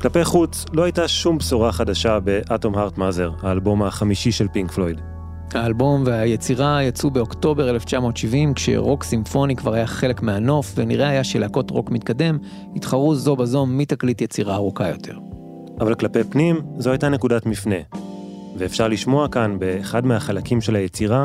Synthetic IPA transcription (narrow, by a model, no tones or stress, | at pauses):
klape̞jχut͡s | lo̞hajtaʃumbsuʁaχadaʃabe̞ʔato̞mɦaʁtmazeʁhaːlbo̞maχamiʃiʃe̞lpiŋkflojd | haːlbo̞mveaje̞t͡siʁajat͡subeo̞kto̞be̞ʁeleft͡ʃamo̞ːtʃivimkʃe̞̰ʁo̞ksimfo̞nikvaʁajaχe̞le̞kmeano̞fve̞niʁeajaʃeleako̞tʁo̞kmit̚kade̞m | itχaʁuzo̞bazo̞mːitaklitjet͡siʁaːʁukajo̞̰tʰe̞̰ʁ | ʔavalklapejpnimzo̞ajtane̞kudatmifne̞ | veːfʃaʁliʃmo̞akanbe̞ːχadmehaχalakimʃe̞lajet͡siʁa